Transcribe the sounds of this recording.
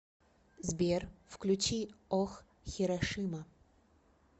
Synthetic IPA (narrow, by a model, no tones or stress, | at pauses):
zbʲerfklʲut͡ʃiɔx | xʲiɾɐʂɨmɐ